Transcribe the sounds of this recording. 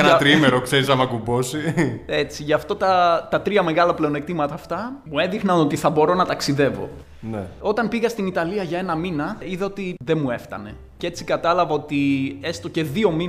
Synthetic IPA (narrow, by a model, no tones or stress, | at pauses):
enɐt̪ɾimeɾokse̞ɾisɐmɐkubo̞sie̞t͡siʝɐft̪o̞t̪ɐt̪ɐt̪ɾiɐme̞ɣɐlɐple̞o̞ne̞kt̪imɐt̪ɐːft̪ɐmuenðixnɐno̞t̪iθɐbo̞ɾo̞nɐt̪ɐksiðe̞vo̞̰ | neo̞t̪ɐnpiɣɐst̪init̪ɐliɐʝɐe̞nɐminɐiðeo̞t̪iðemue̞ft̪ɐ̰ne̞ | ce̞t͡si̥kɐt̪ɐlɐvɐo̞t̪ie̞st̪o̞ce̞ðio̞mi